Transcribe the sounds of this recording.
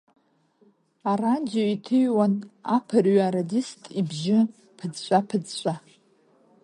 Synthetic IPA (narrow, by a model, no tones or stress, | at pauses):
arand͡zoitʰɨjwana̰pʰɨrɥaaɾadistʼibʒɪ | pʰɨd͡zɕʷʼapʰɨd͡zɕʷʼa